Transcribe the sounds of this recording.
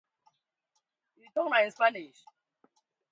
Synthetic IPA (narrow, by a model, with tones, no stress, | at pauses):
i˨tʰɔ˦ŋna˨i˨nspa˦ni˨ʃ